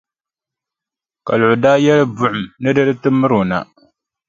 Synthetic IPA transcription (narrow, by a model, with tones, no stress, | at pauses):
ka̰˨lʊ˨ʊ˨daː˦jɛ˦lɨ˦bʊ˦ʔʊ˨mnɨ˦dɨ˦lɨ˦tɨ˦mːɨ˦ɾo˨na̰˨